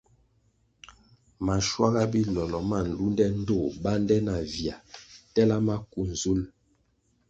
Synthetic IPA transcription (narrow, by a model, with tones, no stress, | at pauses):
ma˨ʃwa˦ɣa˦bi˦lɔ˨lɔ˨ma˦˨n̩˨lu˦ndɛ˦n̩˦do˦˨ba˦ndɛ˦na˨vja˨tɛ˦la˦ma˦ku˨n˨zu˦l